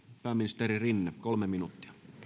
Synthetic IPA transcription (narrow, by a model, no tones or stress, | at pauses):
pæːmːinist̪eɾirinːekolmeminut̪ːi̥ɑ̥